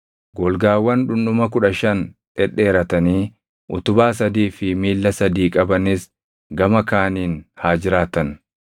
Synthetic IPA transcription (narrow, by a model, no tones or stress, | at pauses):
ɡɔlɡaːwːɐnᶑʊnːʊmɐk̬ʊᶑɐʃɐnᶑɛᶑːe̞ːɾɐt̪ɐniː | ʔʊ̰t̪ʊbaːs̬ɐd̪iːfɪmiːlːɐsɐd̪iːkʼɐbɐnɪs | ɡɐmɐkaːniːnhaːd͡ʒɪɾaːt̪ɐn